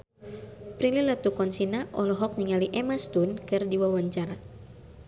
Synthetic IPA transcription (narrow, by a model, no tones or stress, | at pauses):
pɾililat̪ukɔnsinaʔɔlɔɦɔk̚niŋaliʔɛmast̪unkɨrdiwawaɲt͡ʃaɾa